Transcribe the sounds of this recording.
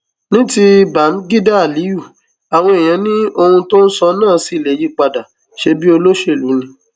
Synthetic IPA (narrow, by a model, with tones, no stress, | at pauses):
nĩ˦ti˧ba˨˦m̩˦ɡi˦da˦a˨li˨˦ju˦˨ | a˨w̃ɔ̃˧e˨j̃ã˨˦nĩ˦o˧hũ˧to˦n̩˦sɔ˧nãː˦˨˦si˦˨le˨˦ji˦k͡pa˧da˨ | ʃe˧bi˦o˧lo˦ʃe˦˨lu˨˦nĩ˧